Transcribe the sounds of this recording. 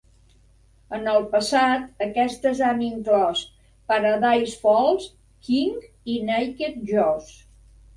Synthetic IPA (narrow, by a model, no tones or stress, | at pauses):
ənəlˠpəsat̪əkɛst̪əzaniŋklɔs | pəɾəðajsfɔlˠs | kiŋɡ | inajket̪̚ʒɔs